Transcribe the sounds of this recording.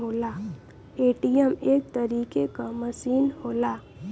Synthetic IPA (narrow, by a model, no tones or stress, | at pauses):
ɦoːlaː | eːʈijəmeːk̚t̪əɾiːkekaməsiːnhoːlaː